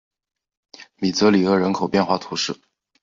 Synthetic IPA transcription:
mi˨˩t͡sɤ˧˥li˨˩ɤ˧˥˩ɻə˧˥nkʰo˨˩ʊpjɛ˥˧nxwa˥˩t̪ʰu˧˥ʂɻ̩˥˩

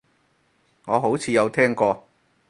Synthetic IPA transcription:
ŋɔː˨˧ɦo˨˥wt͡sʰiː˨˧jɐ˨˧wt̪ʰɛː˥ŋkɔː˧

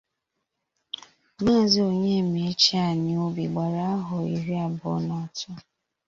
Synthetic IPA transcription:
ma˦˨zi˦o˨ɲe˦˨mi˨˦t͡ʃi˦a˨ni˨o˦bi˨ɡ͡ba˨ɾa˨a˦ɦʊ˨ḭ˨ɾi˦a˨bʊ̰˨˦nɔ˨tʊ˦

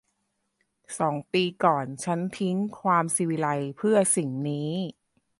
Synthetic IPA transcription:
sɔː˩˦ŋpiː˧kɔː˨˩nt͡ɕʰa˦˥nt̪ʰi˦˥ŋkʰwaː˧msiː˧wi˧la˧jpʰɯ˥˩ɐsi˨˩ŋniː˦˥

